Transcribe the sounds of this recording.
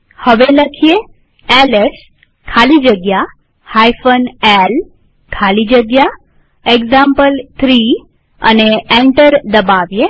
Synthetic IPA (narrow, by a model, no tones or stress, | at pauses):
həʋeləkʰije | ɛles | kʰalid͡ʒəɡja | hajfənel | kʰalid͡ʒəɡja | eɡzãmpəlt̪ʰɾi | ə̰neɛ̃ɳʈəɾd̪əbaʋje